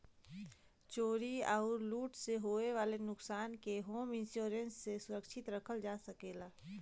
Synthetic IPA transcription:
t͡ʃoːɾiaːɾluːʈseɦoːeʋaːlenʊksaːnkeɦoːmɪ̃nsjoːɾə̃nsːesʊɾəkʃʰɪt̪ɾɐkʰəld͡ʒaːsəkeːlaː

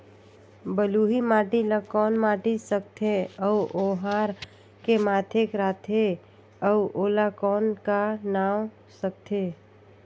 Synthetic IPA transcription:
bəluɦimaːʈiləkɔːnmaʈisəkt̪ʰeəuʔoɦaɾ | kemaːt̪ʰekɾaːt̪ʰe | əuʔolakɔːnkanaːw | sək̚t̪ʰe

